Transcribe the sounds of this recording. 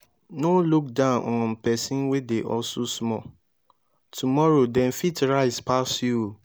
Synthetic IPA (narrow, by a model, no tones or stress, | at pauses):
noluk̚dãʊ̃nɔ̃npɛsĩnwedeʔɔsosmɔ̰ | tʰumɔɹodɛ̃nfitɹaɪspasju